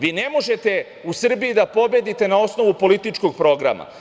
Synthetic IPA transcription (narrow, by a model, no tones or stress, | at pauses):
ʋiːne̞mo̞ʒe̞t̪e̞ | usr̩biid̪apo̞bje̞d̪it̪e̞nao̞sno̞ʋupo̞lit̪it͡ʃko̞ɡ̚pɾo̞ɡɾa̰ma̰